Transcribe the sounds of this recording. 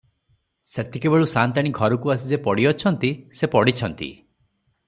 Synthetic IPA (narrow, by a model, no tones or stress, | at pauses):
set̪ʰikebeɭusant̪aɽ̃iɡʱɔɾɔkuasid͡ʒepɔɽiɔt͡ʃʰɔnt̪isepɔɽit͡ʃʰɔnt̪ḭ